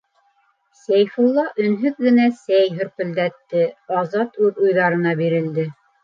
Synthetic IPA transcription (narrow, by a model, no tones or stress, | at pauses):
sæjfulˠːɑʔɵ̆nɦɵk̚ɡɘ̆næsæjɦɵ̆ɾpɵ̆ld̪æt̪ːɘɑzɑt̪ʉðujðɑɾɤ̆nɑbiɾɘ̆ld̪ɘ